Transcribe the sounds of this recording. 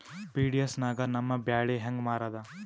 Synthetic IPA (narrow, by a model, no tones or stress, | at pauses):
piːɖijɐsnaːɡɐnɐmːɐbjaːɭeɦɐŋɡmaːɾɐd̪ɐ